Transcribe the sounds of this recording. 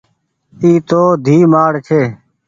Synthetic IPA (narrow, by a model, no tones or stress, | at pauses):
iːt̪oːd̪ʱiːmaːɽt͡ʃʰeː